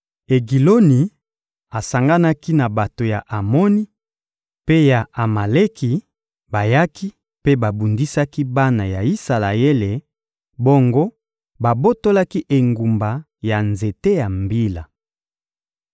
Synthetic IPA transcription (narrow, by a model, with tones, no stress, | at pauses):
e˨ɡi˨lo˦ni˨ | a˨sa˨ŋɡa˦na˦ki˦na˨ba˨to˨ja˨ʔa˨mo˦ni˦ | pe˦ja˨a˨ma˨le˦kʰi˨ | ba˨ja˦ki˦ | pe˦ba˨bu˨ndi˦sa˦ki˦ba˦na˨ja˨i˦sa˨la˨e˦le˨ | bo˦ŋɡo˦ | ba˨bo˦to˦la˦ki˦ʔe˨ŋɡu˨mba˨ | ja˨nze˨te˦ja˨mbi˦la˨